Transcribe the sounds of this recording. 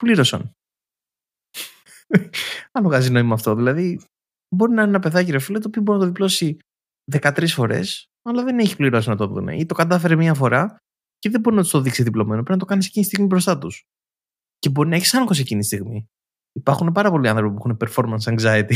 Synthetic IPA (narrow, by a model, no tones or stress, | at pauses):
pliɾo̞sɐ̰n | ɐloɣɐzino̞imɐːft̪o̞ðilɐði | bo̞ɾinɐnenɐpe̞ðɐciɾefilet̪opiobo̞ɾinɐt̪ðiplo̞si | ðe̞kɐt̪ɾisfo̞ɾe̞̰s | ɐlɐðe̞neçipliɾo̞sinɐt̪o̞ðṵnḛʔit̪o̞kɐt̪ɐfe̞ɾemɲiɐfo̞ɾɐ | ceðebo̞ɾinɐt̪u̥st̪o̞ðiksiðiplo̞menopɾinɐt̪o̞kɐnisecinist̪iɣmibɾo̞st̪ɐt̪us | ce̞bo̞ɾinɐeçisɐnxo̞secinist̪iɣmi | ipɐɾxunepɐɾɐpo̞liɐnθɾo̞pipuexunepe̞ɾfo̞ɾmɐnsɐŋɡzɐit̪i